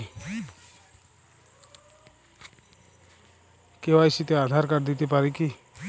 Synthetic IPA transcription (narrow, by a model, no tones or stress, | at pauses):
kewajsit̪ead̪ʱaɾkaɾd̪it̪ipaɾiki